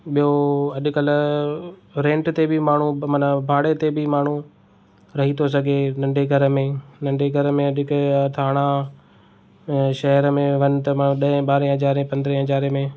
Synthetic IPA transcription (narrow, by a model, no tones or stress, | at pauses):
ɓijoɐʄʊkɐl | ɾẽːɳʈt̪ebɪmaːɳ̤umɐnəbʱaːɽet̪ebɪmaːɳ̤u | ɾɐɦit̪ʰos̬ɐɡʱenɐ̃ɳɖeɡʱɐɾəmẽnɐ̃ɳɖeɡʱɐɾmẽɐɗʊkt̪ʰaːɽ̃a | ʃɐɦəɾmẽʋɐnɪ̆t̪ɐmaːũɗɐɦẽɓaːɾẽɦɐzaːɾẽpɐ̃nd̪ɾẽɦɐzaːɾemẽ